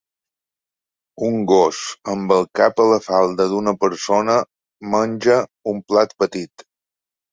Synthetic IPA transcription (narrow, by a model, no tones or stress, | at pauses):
uŋɡosəmbəlˠkapələfalˠd̪əðunəpəɾsonə | mənʲʒəumplat̪̚pət̪it̪